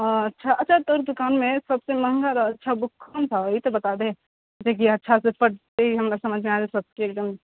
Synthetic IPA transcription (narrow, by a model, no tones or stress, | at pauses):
ɐtːʃʰaʔɐtːʃʰat̪oːɾd̪ʊkaːnmẽsɐbsemɐɦŋɡaɾɐtːʃʰabʊkʰːont̪ʰaoit̪obɐt̪ad̪ẽ | d͡ʒek̬iɐtːʃʰasepɐʈ̚t̪eiɦɐmɾasɐməd͡ʒʱmẽaːd͡ʒesɐb̚skekʈəm